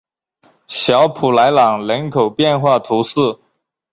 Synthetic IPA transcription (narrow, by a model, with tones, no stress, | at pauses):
ɕjɑ˧˥ʊpʰu˨˩la˧˥ɪlɑ˨˩ŋlə˧˥nkʰo˨˩ʊpjɛ˥˧nxwa˥˩t̪ʰu˧˥sɹ̩˥˩